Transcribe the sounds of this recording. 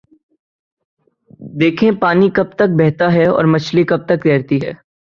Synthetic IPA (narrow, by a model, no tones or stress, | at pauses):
d̪eːkʰẽpaːnikɐb̚t̪ɐk̚bɛɦt̪aɦɛɔ̰ːɾmɐt͡ʃʰlikɐb̚t̪ɐk̚t̪ɛːɾt̪iɦɛː